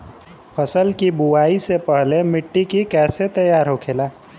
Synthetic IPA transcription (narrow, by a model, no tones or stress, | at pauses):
pʰəsəlkibuwaisepəɦlemɪʈːikikɛːset̪əjaːɾɦokʰela